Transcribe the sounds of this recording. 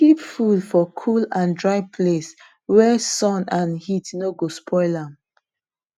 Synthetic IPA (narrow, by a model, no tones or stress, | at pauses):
kipfudfɔkʰulãndɹaɪpʰles | wɛsɔ̃nãnhitnoɡospʰɔɪlãm